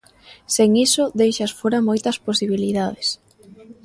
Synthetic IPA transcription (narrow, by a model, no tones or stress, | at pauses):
seŋisʊðejʃɐsfoɾamojt̪ɐsposiβ̞iliðað̞es